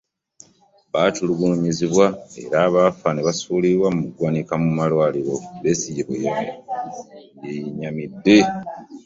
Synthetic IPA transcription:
βatuluɡunuɲiziβwae̞̰ɾaːβafaneβasuːliɾwamumuɡwaːnikamumalwaliɾo̞βe̞sijeβṵjama | jeɲamidːe

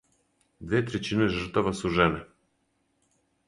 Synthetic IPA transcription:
d̪vɛt̪ɾɛt͡ʃinəʒəɾt̪avasuʒɛnɛ

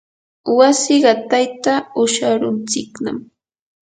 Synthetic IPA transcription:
wasɪɢɑt̪ajt̪aʊʃaɾʊnt͡sɪkna̰m

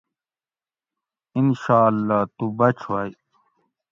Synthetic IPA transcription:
inɕaːlːaːt̪ubɐt͡ɕʰwaj

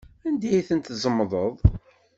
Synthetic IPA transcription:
ænd̪æjiθənt̪zˤəmːðˤəðˤ

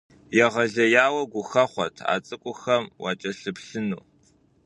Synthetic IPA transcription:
jɛʁɐɮɐjaːwɐɡʷʊxɐχʷɔ̰tʰa̰ːt͡sʼɨkʷʼʊxɐmwa̰ːt͡ʃʼɐɬɨpɬɨnṵː

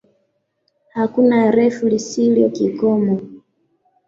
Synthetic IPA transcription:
hakunaɾɛfulisiljɔkikɔmɔ

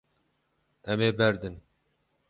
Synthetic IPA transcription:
ɛmeːbɛɾd̪ɨn

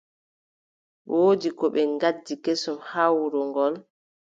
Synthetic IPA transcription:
woːdikɔɓɛŋɡadːikesɔmhawɾɔŋɡɔl

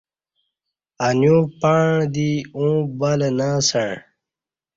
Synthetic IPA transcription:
anjũːpaɳd̪iũːbalnaːsaɳ

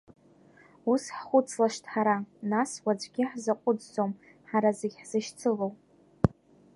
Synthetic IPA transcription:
usħχʷʊt͡sʰʼlaʃtʰʼħaɾanaswad͡ʒʷɡʲɪħzaqʷʼʊd͡zːom | ħaɾazeɡʲħz̥ɨʃt͡sʰɨlow

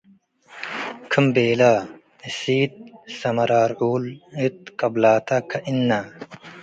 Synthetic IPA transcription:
kʰimbeːla | isiːt̪̚sɐmɐɾaːɾuːlit̪̚kɐblaːt̪akʰɐʔinːa

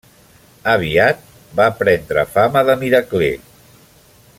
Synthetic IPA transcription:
əβ̞iat̪̚ | bapɾɛnd̪ɾə̰faməðəmiɾəklḛ

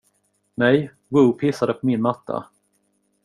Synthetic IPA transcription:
nɛj | wɵːpʰɪsːad̪əpʰɔmɪnmat̪ʰːa̰

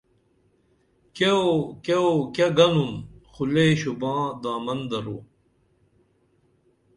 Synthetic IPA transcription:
keokeokeɡɐnumxuleːɕubãːd̪aːmɐnd̪ɐɾuː

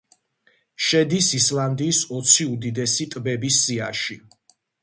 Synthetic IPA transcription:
ʃɛd̪isislˠand̪iːsɔt̪sʰiud̪id̪ɛsit̪ʼbɛbisːiaʃi

